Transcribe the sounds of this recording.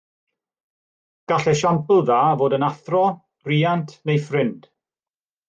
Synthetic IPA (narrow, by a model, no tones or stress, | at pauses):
ɡ̥aɬɛʃampʰlˠðaːvoːdənaθrɔ | riːantʰnejfrɪnd̥